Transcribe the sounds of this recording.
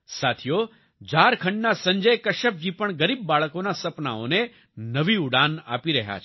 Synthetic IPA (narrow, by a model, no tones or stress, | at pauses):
sat̪ʰijo | d͡ʒaɾkʰə̃ɳɖnasə̃ɲd͡ʒəjkəʃəp̚d͡ʒipəɳɡəɾib̚ːaɭəkonasəpna̰o̰ne | nəʋiuɽana̰piɾəɦja̰t͡ʃʰ